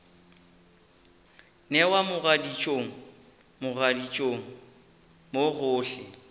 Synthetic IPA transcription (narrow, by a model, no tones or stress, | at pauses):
nɛwamʊɣadit͡ʃʼoŋ̩ | mʊradit͡ʃʼoŋ̩ | moɣʊːɬɛ